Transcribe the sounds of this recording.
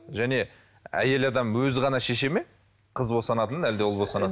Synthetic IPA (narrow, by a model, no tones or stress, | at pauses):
ʒæne̞ | æ̰je̞lɑd̪ɑmwɵzɪʁɑnɑʃe̞ʃe̞me̞ | qʰəzbo̞sɑnɑt̪ənæld̪eʊlˠbo̞sɑnɑ